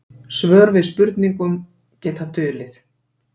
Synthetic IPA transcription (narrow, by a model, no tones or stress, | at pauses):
svœːɾvɪðspʏɾt̪niŋkʏm | cɛːt̪at̪ʰʏːlɪθ